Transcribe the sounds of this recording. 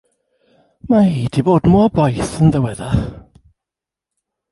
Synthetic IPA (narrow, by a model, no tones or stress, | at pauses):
maiːd̥iboːdmuɔbɔjθənðəwɛða